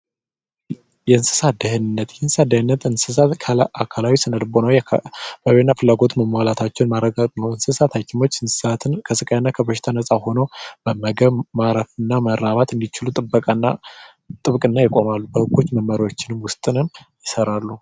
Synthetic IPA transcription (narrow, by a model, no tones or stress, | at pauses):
jɛɨnsɨ̥sad̪əhɨnnːət̪jɛnsɨsad̪əhɨnːət̪ɨnsɨsaakʰalawisɨnəd̪bo̞nəwbəwenːafɨlːaɡo̞t̪məmwalat̪ʰat͡ʃːɛnmaɾəɡat̪ʼnəwɨnsɨsat̪ʰakʰɪmo̞t͡ʃːɨnssat̪ʰnkʰəsɨkʼajnːakʰəbəʃɪ̥t̪ʰanəsʼaho̞nəwbəməɡəβmaɾəfɨnːaməɾaβat̪ɨnd̪it͡ʃɪlut̪ʼɨbːəkʼanːa̰ | t̪ʼɨβkʼɨnːajɪkʼo̞malːubəhɨɡːo̞t͡ʃːməmːəɾwo̞t͡ʃːɪnɨmwʊst̪ʼɨnɨmjɪsəɾalːu